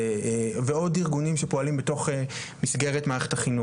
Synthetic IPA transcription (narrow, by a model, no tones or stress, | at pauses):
veo̞diʁɡunimʃepoalimbeto̞χe | misɡe̞ʁetmaːʁeχetaχinu